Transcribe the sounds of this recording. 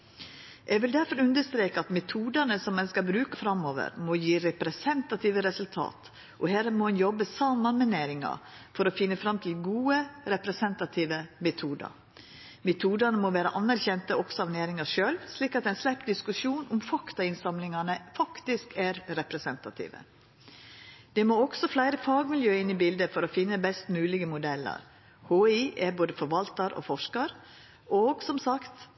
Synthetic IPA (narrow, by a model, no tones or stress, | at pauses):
ʔɛɡʋɪld̪æɾfɔɾʉnd̪əst̪ɾeːkəɑt̪mɛt̪ʰuːd̪ɑnəsɔmːɛnskɑlbɾʉːkəfɾɑmːoːʋə̰ɾmɔjiːɾɛpɾɛsɛnt̪ɑt̪ʰiːʋəɾɛsʉlt̪ʰɑ̰ːt̪ | ʔɔhæːɾmɔɛnjɔbəsɑmːɑnmɛneːɾɪŋɑ̰fɔɾɔfɪnːəfɾɑmt̪ʰɪlɡuːəɾɛpɾɛsɛnt̪ɑt̪ʰiːʋəmɛt̪ʰuːd̪ɑ̰ | mɛt̪ʰuːd̪ɑnəmɔʋæːɾə̰ʔɑnːæɾçɛnt̪əɔksɔɑʋneːɾɪŋɑʂøːlʋsliːkɑt̪ɛɪnslæpːd̪ɪskʉʃuːnʔʊmfɑkt̪ɑɪnsɑmlɪŋɑnəfɑkt̪ɪskæɾɾɛpɾɛsɛnt̪ɑt̪ʰḭːʋə̰ | d̪̥ɛmoɔɡ̥sɔflæɪɾəfɑːɡmɪljøːəɪnːɪbɪld̪əfɔɾofɪnːəbɛst̪mʉːlɪɡəmʊd̪ɛlːɑ̰ɾ | hoːɪʔɛɾboːd̪əfɔɾʋɑlt̪ɑɾʔo̰fɔʂkɑɾ | oːɡsɔmsɑkt̪